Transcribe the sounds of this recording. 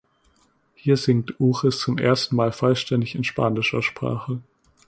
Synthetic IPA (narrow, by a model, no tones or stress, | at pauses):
hiːɐzɪŋ̚tʔuːʁəst͡sʊmʔḛːɐstn̩maːlfɔlʃtɛndɪçɪnʃpaːnɪʃɐʃpʁ̥a̰ːχə